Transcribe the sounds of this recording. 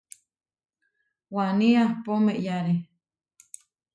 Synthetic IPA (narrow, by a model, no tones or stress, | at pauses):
waniahpomeʔjaɾi